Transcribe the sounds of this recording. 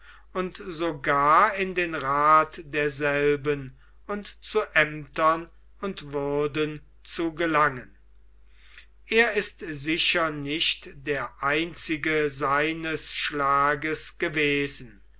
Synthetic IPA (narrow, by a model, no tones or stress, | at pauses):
ʊntzoɡaːɐɪndeːnʁaːtdeːɐzɛlbən | ʊntt͡suʔɛmtɐn | ʊntv̥ʊɐdən | t͡suɡəlaŋən | ʔeːɐɪstzɪʃɐnɪʃtd̥eːɐʔaɪnt͡sɪɡəzaɪnəsʃlaːɡəsɡ̥əveːzn̩